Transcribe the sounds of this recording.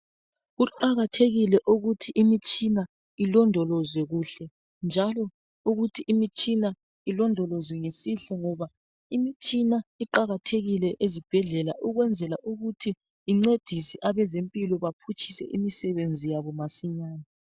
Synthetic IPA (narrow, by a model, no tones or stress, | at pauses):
ɣuǃaɣatʰeɣilɛʔuɣutʰiʔimit͡ʃʼina | ilɔndʱɔlɔzwɛɣuɬɛ | nd͡ʒʱalɔ | uɣutʰiʔimit͡ʃʼina | ilɔndʱɔlɔzwɛŋesiɬɔŋɔβa | imit͡ʃʼinaiǃaɣatʰeɣilɛʔezib̥ʱɛɮɛla̰ʔuɣwɛnd͡zʱɛlaʔuɣutʰiː | ŋ͡ǀed̥ʱisiʔaβɛzempʼilɔβapʰut͡ʃʰʼi̥sɛ̰ʔimisɛβend͡zʱijaβɔmasiɲaːna